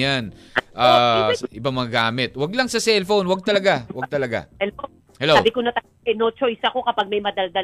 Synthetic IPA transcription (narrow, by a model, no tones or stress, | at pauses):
janʔaʔɪbamɐŋaɡaːmɪt̪̚wɐɡ̚lɐŋsɐsɛlfo̞nwɐɡ̚t̪ɐlɐɡawɐɡ̚t̪ɐlɐɡa̰hɛl | hɛloawbɪkonɐt̪ɐ | ʔɛnot͡ʃojsɐko̞kɐpaɡ̚mɐjmɐd̪ɐld̪ɐ